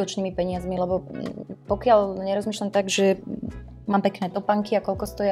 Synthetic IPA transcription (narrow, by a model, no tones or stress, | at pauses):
ɔt͡ʃnimipɛɲɪazmilɛbɔpɔkɪaʎɲɛɾɔzmiːʃlamt̪aɡʒɛ | maːmpɛknɛːt̪ɔpaŋkiakɔlkɔst̪ɔjɛ